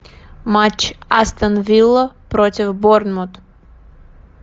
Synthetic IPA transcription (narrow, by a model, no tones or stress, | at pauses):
mat͡ʃast̪anvilˠapɾɔt̪ʲivbɔɾnmɔt̪